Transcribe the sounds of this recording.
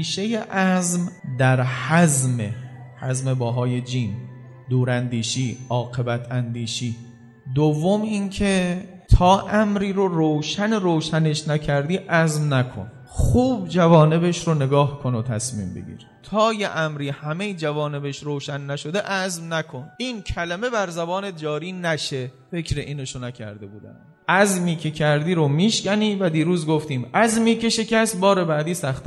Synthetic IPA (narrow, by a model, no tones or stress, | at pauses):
iːʃejeʔæzmd̪æɾhæzmehæzmebɒːɦɒːje̞d͡ʒiːn | d̪uːɾænd̪iːʃiːʔɒːqe̞bæt̪ʰænd̪iːʃiː | d̪ovːomiːncʰe̞ | t̪ʰɒːʔæmɾiːɾoɾowʃæneɾoːʃæne̞ʃnækʰæɾd̪iːʔæzmnækʰo̞̰n | χuːbd͡ʒævɒːne̞be̞ʃɾone̞ɡɒːhkʰo̞not̪ʰæ̰smḭːmbḛɡḭːɾ | t̪ʰɒːjeʔæmɾiːhæmejd͡ʒævɒːne̞be̞ʃɾoːʃænːæʃo̞d̪eʔæzmnækʰo̞niːncʰæleme̞bæɾzæbɒːnet̪̚d͡ʒɒːɾiːnæʃe | fe̞kʰɾeʔiːneʃonæcʰæ̰ɾd̪e̞buːd̪æ̰nd̪ʔæzmiːkʰe̞cʰæɾd̪iːɾomiːʃkʲæniːvæd̪iːɾuːzɡoft̪iːmʔæzmiːkʰe̞ʃe̞cʰæst̪̚bɒːɾe̞bæːd̪iːsæxt̪